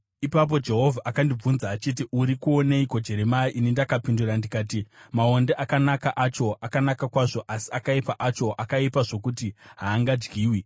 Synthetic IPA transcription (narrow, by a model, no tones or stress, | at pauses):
ipap̬o̞d͡ʒe̞ɦo̞vʱaʔakandib͡vunzaːt͡ʃit̬iʔuɾikuo̞neikod͡ʒe̞ɾe̞maiʔinindakapindurandikaːtimaonde̞ʔakanakaʔat͡ʃo̞ʔakanakakwaʐo̞ʔasi̥akaipaʔat͡ʃo̞ʔakaipaʐokutiɦaːŋɡad͡ʒɡiːwi